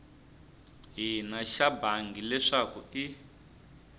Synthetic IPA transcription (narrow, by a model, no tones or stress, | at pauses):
ɦinaʃabaŋɡilɛʂakui